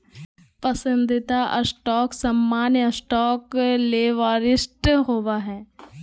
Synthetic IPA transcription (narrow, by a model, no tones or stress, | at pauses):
pɐsə̃nd̪ɪt̪aʔɐsʈɔːksɐmːaːnjəsʈɔːkleːʋaːɾɪsʈɦoːʋaɦɛː